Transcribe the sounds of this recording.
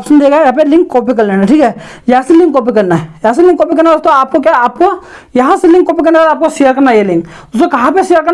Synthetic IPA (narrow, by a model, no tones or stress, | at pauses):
psɐnd̪eːkajap̬elĩŋkkːoːp̬ikɐllẽːnaʈʰiːkɦɛ | jɐɦãselĩŋkːoːp̬ikɐɾnaɦɛjɦãselĩŋkːoːpikɐɾnaost̪õaːp̚kok̬jaaːp̚ko | jɐɦãselĩŋkːoːpikɐɾnekalaːp̚kosijəɾkɐɾnajelĩŋk̪ | ʊsokɐɦãpesijəɾkɐ